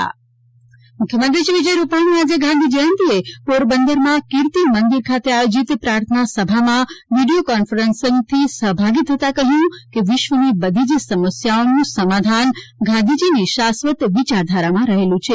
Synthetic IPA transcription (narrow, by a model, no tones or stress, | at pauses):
mukʰjəmə̃nt̪ɾiʃiʋid͡ʒəjɾupaɽ̃iad͡ʒeɡʱãnd̪ʱid͡ʒiənt̪iepoɾbənd̪əɾmãkiɾt̪imənd̪iɾkʰat̪eajod͡ʒit̪pɾaɾt̪ʰənasəbʱamãʋiɖiokɔnfəɾənsəŋɡt̪ʰisəɦbʱaɡit̪ʰːət̪akəɦjũkeʋɪʃʋənibəd̪ʱid͡ʒsəməsjaonũsəmad̪ʱanɡʱãnd̪ʱid͡ʒiniʃasʋət̪ʋit͡ʃaɾd̪ʱaɾamãɾəɦelũt͡ʃʰe